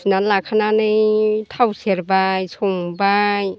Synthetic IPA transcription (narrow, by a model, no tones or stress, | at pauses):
snalakʰananɯjt̪ʰawseɾbajsɔŋbaj